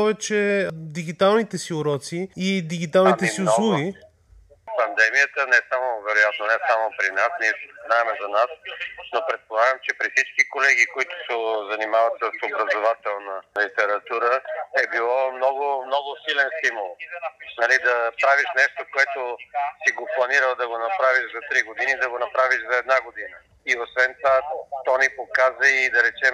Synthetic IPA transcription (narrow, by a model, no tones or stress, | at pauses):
pɔvɛt͡ʃɛd̪iɡit̪alˠnit̪ɛsiʊɾɔt̪siːd̪iɡit̪alˠnit̪ɛsiʊlˠuɡi | pɐnd̪ɛmijət̪ənɛsamovɛɾʊjat̪nonɛsamopɾinasniɛsɛ̥znaɛmɛzɐnasnopɾɛt̪̚polˠaɡəmt͡ʃɛpɾifsit͡ʃkikolɛɡ̟ikoit̪ʊ̥sɛzɐnimavət̪səsobɾɐzovat̪ɛlˠnɐlit̪ɛɾɐt̪uɾəɛbilˠɔmnɔɡʊmnɔɡʊsilɛnst̪imulˠnɐlid̪ɐpɾaviʃnɛʃt̪okoɛt̪osiɡoplˠɐniɾəlˠd̪ɐɡonɐpɾaviʃzɐt̪ɾiɡod̪inid̪ɐɡonɐpɾaviʃzɐɛd̪̚naɡod̪inə | iosvɛnt̪ovat̪ɔnipokazəid̪ɐɾɛt͡ʃɛm